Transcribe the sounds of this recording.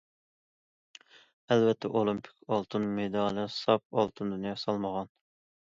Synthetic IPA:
ɛlvɛt̪ʰːɛʔolˠimpʰi̥kʲʰɑlˠt̪ʰɨnmed̪ɑːlˠɨsɑp̚ɑ̰lˠt̪ʰɨnd̪ynjɑsɑlˠməʁɑn

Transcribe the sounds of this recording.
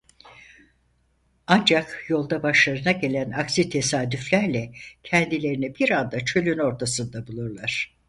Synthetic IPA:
and͡ʒakjo̞lˠd̪abaʃlˠaɾɯnaɟe̞lʲænaksit̪ʰe̞saːd̪yflʲæɾlʲɛcʰɛnd̪ilʲe̞ɾinibiɾand̪at͡ʃʰø̞lʲyno̞ɾt̪ʰasɯnd̪abulˠuɾlˠaɾ̥

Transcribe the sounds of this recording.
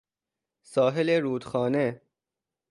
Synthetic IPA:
sɒːɦeleɾuːd̪̥xɒːne̞

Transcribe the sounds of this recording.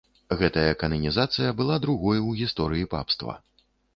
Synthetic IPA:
ɣɛt̪ɐjɐkɐnɐnʲizat̪sɨjɐbɨlˠad̪ɾuɣɔjwɣʲist̪ɔɾɨjipa̰pst̪vɐ̰

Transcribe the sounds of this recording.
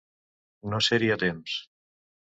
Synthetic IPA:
noseɾiat̪ems

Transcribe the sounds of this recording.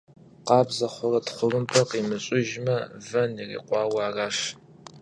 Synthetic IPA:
qɑːbzɐχʷʊrɐtχʷʊrɨmpʰɐqimɨɕʼɪʒmɐvɐnirḭːqʷʼɑːwɑːraːʃ

